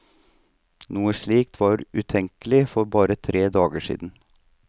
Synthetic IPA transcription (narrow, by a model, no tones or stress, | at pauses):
nuːəʂɭiːkt̪ʰʋɑːɾʉt̪ʰɛŋkəlɪfɔɾbɑːɾət̪ʰɾeːd̪ɑːɡəʂḭːd̪n̩